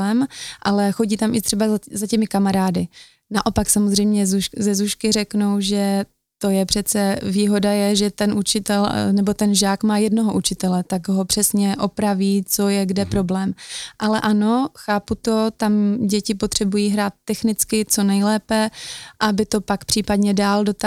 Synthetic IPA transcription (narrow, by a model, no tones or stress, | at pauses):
ɛmʔalɛxo̞ɟiːt̪amʔɪt̪r̥ɛbazazacɛmɪkamaɾaːdɪ | naʔo̞paksamozr̝ɛjmɲɛzuʃzɛzuʃkɪr̝ɛknowʒɛ | t̪o̞jɛpr̝̥ɛt͡sɛviːɦo̞dajɛʒɛt̪ɛnʔut͡ʃɪt̪ɛlnɛbo̞t̪ɛnʒaːkmaːjɛdnoɦoʔut͡ʃɪt̪ɛlɛt̪aɡɦo̞pr̝̥ɛsɲɛʔo̞pɾaviːt͡so̞jɛɡdɛpɾo̞blɛːmʔalɛʔano̞xaːput̪o̞t̪amɟɛcɪpot̪r̝̥ɛbujiːɦɾaːt̪̚ːɛxnɪt͡skɪt͡so̞nɛjlɛːpɛʔabɪt̪o̞pakpr̥iːpadɲɛdaːldo̞t̪a